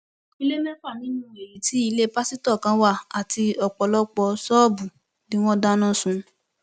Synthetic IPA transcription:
i˦˧le˦mɛ̃˦k͡pa˦˨nĩ˨˦nũ˦e˨ji˨˦ti˨˦i˧le˦pa˦si˦tɔ˦˨kã˨˦wa˦˨a˨ti˧ɔ˨k͡pɔ˧lɔ˦k͡pɔ˧sɔ˦bu˨ | nĩ˨˦w̃ɔ̃˦da˦nã˦˨sũ˧

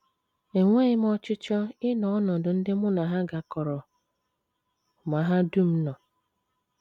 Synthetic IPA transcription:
e˨ŋʷe˦ɪ˦m˦ɔ˦t͡ʃʊ˦t͡ʃɔ˦ɪ˦nɔ˨ɔ˦nɔ˨dʊ˨n̩˦dɪ˦mʊ˦na˨ɦa˦ɡa˨kɔ˨ɾɔ˨ | ma˨ɦa˦du˦˨m̩˦nɔ˨

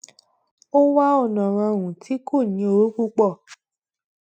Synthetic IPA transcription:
o˦wa˦ɔ˦˨nã˨ɾ̃ã˧wũ˨tʰi˨˦kʰo˦˨nĩ˨˦o˧ɾo˦ku˦k͡pɔ˦˨

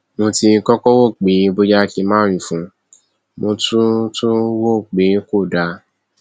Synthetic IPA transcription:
mõ˧ti˧kɔ˦kɔ˦wo˦˨k͡pe˨˦bo˦d͡ʒa˦˧ki˧mãː˦ɾ̃ũ˨fũ˨˦ | mõ˧tũ˦tũ˦wo˦˨k͡pe˨˦ko˦˨da˧˦

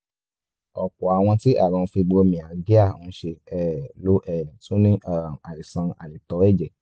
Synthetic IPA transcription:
ɔ˨k͡pɔ˨a˨w̃ɔ̃˧ti˦ʔa̰˦˨ɾɔ̃˨˧fi˧ɡ͡bo˧˦mĩ˨a˨ɡi˦a˦˨õ˨˧˦ʃe˧ɛ˦˨lo˦ʔɛ˦˨tũ˦nĩ˦ʔa˦˨a˨i˨sã˧a̰˨nĩ˨tɔ˨˦ɛ˦˨d͡ʒɛ˨

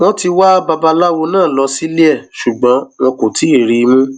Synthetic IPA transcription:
mɔ̃˦ti˧wa˦ba˧ba˧la˦wo˧nãː˦˨lɔ˧si˦li˦ɛ˦˨ʃu˨ɡ͡bɔ̃˨˦nɔ̃˧kõ˨ti˨˦i˦˨ɾi˧mũ˦

